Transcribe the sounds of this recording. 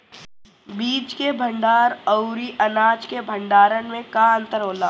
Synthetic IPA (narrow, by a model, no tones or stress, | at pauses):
biːt͡ʃkebʱə̃ɳɖaːɾəʊɾiʔɐnaːd͡ʒkebʱə̃ɳɖaːɾənmẽkaə̃nt̪əɾɦoːlaː